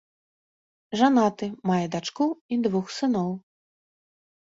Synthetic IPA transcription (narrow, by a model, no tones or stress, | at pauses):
ʐanat̪ɨmajɐd̪at͡ʂkuid̪vuxsɨnɔw